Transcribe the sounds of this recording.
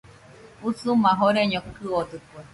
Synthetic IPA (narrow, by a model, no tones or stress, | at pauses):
usumãɦoɾeɲõkɨod̪ɨkwe